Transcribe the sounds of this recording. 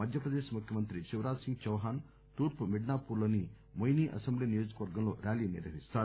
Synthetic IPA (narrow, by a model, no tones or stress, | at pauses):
ɐd̪ʱjɐpɾɐd̪eːʃɐmukʰjɐmɐnt̪ɾit͡ʃiʋɾaːsiŋɡ̚t͡ʃɐʋɦaːn | t̪uːɾpumiɖnaːpuːɾloːni | mojniːʔɐsembliːnijoːd͡ʒɐkɐʋɐɾɡɐmlo̞ːɾʔaːliːnḭɾʋɐɦist̪aː